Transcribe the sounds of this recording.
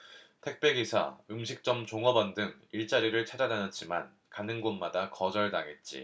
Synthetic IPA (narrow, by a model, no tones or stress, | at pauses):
tʰe̞k̚p͈e̞ɡisʰa̰ɯmɕʰik̚t͡ɕ͈ʌmt͡ɕoŋʌbʌndɯŋiɭt͡ɕ͈aɾiɾɯɭt͡ɕʰad͡ʑananʌt̚t͡ɕ͈ima̰n | kanɯnɡonmadakʌd͡ʑʌɭnaŋe̞t̚t͡ɕ͈ḭ